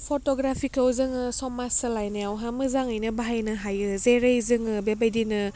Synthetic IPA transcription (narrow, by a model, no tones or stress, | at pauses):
pʰotɔɡɾapʰikʰawzɯŋɯsɔmasɯlajnejawɦamɯzaŋɯjnɯbaɦajnɯɦajɯzeɾɯjzɯŋɯbebajdinɯ